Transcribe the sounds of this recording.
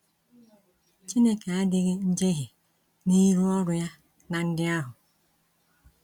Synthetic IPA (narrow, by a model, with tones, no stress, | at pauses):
t͡ʃi˦ne˦ke˨a˦dɪ˦ɣɪ˦n̩˦d͡ʒe˦ɦɪ˨ | ni˦ɾu˦ɔ˦ɾʊ˨ja˦ | na˨n̩˦dɪ˦a˦ɦʊ˨